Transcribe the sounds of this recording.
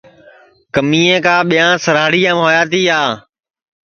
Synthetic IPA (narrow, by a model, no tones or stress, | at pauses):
kəmiːẽːkãːɓijãːsəɾaːɽiːãːmɦoːjaːt̪iːaː